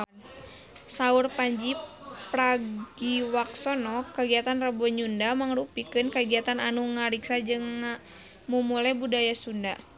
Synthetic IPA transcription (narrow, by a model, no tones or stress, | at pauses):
saurpaɲd͡ʒipraɡiwaksɔnɔkəɡiat̪anrabɔɲundamaŋrupikɨnkəɡiat̪ananuŋaɾiksad͡ʒɨŋːa | mumulajbudajasunda